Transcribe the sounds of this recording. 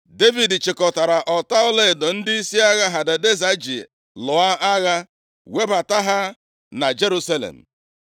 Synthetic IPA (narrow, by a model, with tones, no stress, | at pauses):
de˦vi˨dt͡ʃɪ˨kɔ˨ta˨ɾa˨ʔɔ˨ta˦ʊ˦le˦˨do˨n̩˦dɪ˦i˦si˦a˦ɣa˦ɦa˨de˨de˦za˦d͡ʒḭ˨ | lʊ˨a˦ʔa˦ɣa˦ | we˦ba˨ta˦ɦa˦ | na˨d͡ʒe˦ɾu˦sa˦lḛ˨m̩̰˨